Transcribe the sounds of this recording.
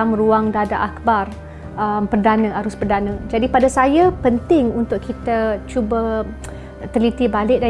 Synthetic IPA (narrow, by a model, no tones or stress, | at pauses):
mruaŋdadaʔakbar | əmpərdanə̃aɾʊspərdanə̃d͡ʒadipadasajapənt̪ɪŋunt̪ʊʔkʰit̪at͡ʃubə | t̪ərlit̪ibalɪʔ̚da